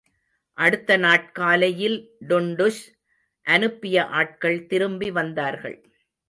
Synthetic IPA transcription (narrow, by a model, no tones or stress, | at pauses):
ʔɐɽɯt̪ːɐnaːʈ̚kaːlɐjɪlɖʊɳɖʊs | ʔɐnɯpːɪjɐʔaːʈ̚kɐɭt̪ɪɾɯmbiʋɐnd̪aːɾɣɐ̰ɭ